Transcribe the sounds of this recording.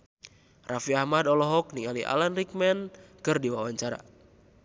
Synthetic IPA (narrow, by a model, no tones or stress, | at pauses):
rafiahmadɔlɔɦɔk̚niŋaliʔa̰lanrik̚mɛnkɨrdiwawaɲt͡ʃaɾa̰